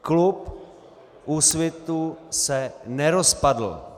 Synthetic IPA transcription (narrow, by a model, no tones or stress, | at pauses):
klup | usʋɪt̪usɛnɛɾospadl̩